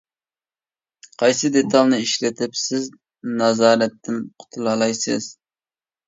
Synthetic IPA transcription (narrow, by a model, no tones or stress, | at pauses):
qʰɑjsɨd̪et̪ʰɑlˠnɪiʃlɪt̪ʰɪpsɪz | nɑzɑːɾɛt̪ːɪnqʰʊ̥t̪ʰulˠɑlˠɑjsɨz̥